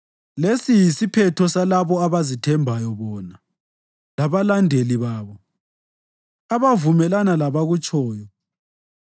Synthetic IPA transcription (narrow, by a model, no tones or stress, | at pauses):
lesijisipʰɛtʰɔsalaβɔaβazitʰɛmbʱajɔβɔːna | laβalandʱeliβaːβɔ | aβavumɛlanalaβaɣut͡ʃʼɔːjɔ